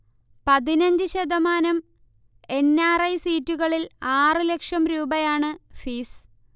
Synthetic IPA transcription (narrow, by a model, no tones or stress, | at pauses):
pɐðinɐɲd͡ʑɨɕɐd̪ɐmaːnɐm | e̞nːaːrɐjsiːtːuɣɐɭilaːrɨle̞kʂɐmɾuːbɐjaːɳɨfiːs